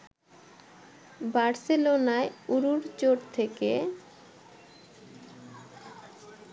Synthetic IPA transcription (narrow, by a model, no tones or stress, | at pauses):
baɾselonaeuɾuɾt͡ɕoɾt̪ʰeke